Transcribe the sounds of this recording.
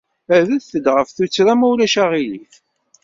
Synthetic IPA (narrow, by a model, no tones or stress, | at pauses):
æðæðθəd̪ʁəfθut͡sːɾæmæwlæʃæʁiliθ